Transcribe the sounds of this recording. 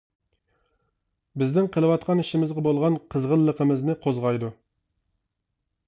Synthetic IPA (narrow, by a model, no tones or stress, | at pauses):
bɪznɪŋqʰəlˠɨwɑt̪̚qʰɑniʃimɪzʁɛbolˠʁɑnqʰəzʁəlˠːəqəmɨznɪqʰozʁɑjd̪u